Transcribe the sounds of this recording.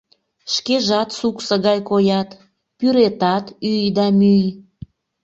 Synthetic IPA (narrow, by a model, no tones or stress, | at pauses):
ʃkeʒɑt̪suksə̆ɣɑjkojɑt̪ | pyɾet̪ɑt̪yjd̪ɑmyj